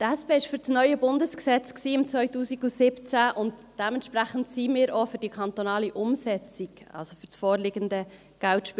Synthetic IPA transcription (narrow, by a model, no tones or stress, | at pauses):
tæspeːɪʃfʏɾt͡snœʏəbʊndəsksɛt͡sksiːɪmt͡svœʏtuːsiɡusɪpt͡sæʔʊntd̥ɛmɛntʃpɾæχən̩tsiːmɪːɾofʏɾd̥ikʰɑnt̪onɑːliʔʊmsɛt͡siɡɑ̰lsofʏɾsfɔːɾlɪɡəndə | ɡ̥æltʃp